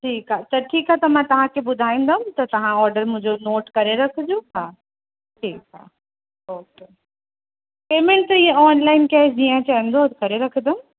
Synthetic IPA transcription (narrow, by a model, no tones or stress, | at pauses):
ʈʰiːkɦat̪ɐʈʰiːkɦat̪ɐmãt̪ɐʋ̤ãkʰebʊd̪ʱaːĩːnd̪əmt̪ɐt̪ɐʋ̤ãɔːɾɖəɾmʊ̃ɦɪ̃ɲd͡ʑonoːʈkɐɾeɾɐkʰd͡ʑõɦaː | ʈʰiːkɦa̰ː | oːke | peːmẽɳʈ̚t̪iːẽɔːnlaːɪnkɐd͡ʑiːãt͡ɕaːĩːn̆d̪okɐɾeɾɐkʰəd̪əm